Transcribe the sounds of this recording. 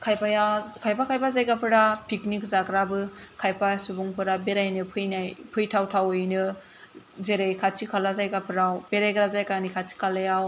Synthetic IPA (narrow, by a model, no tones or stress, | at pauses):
kʰajpajakʰajpʰakʰajpʰazajɡapʰɯɾapʰiknikzakɾabɯkʰajpasubuŋpʰɯɾabeɾajnɯpʰɯjnajpʰɯjtʰawtʰawɯjnɯ | zeɾejkʰat͡ʃʰikʰalazajɡapʰɯɾawbeɾajɡɾazajkanikʰat͡ʃʰi̥kʰalajaw